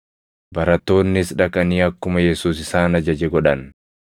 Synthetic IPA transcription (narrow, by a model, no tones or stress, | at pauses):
bɐɾɐt̪ːo̞ːnːɪsᶑɐkɐniːɐkːʊmɐjɛsuːsɪsaːnɐd͡ʒɐd͡ʒɛɡɔᶑɐn